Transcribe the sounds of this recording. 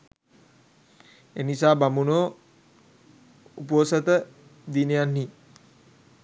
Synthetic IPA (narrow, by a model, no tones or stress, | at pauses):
enisaːbamunoː | uposət̪ə | d̪inijanːi